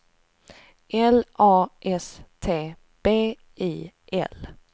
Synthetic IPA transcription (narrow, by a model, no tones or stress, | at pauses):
ʔɛlʔɑːʔɛst̪ʰeː | b̥eː | iː | ʔɛ̰l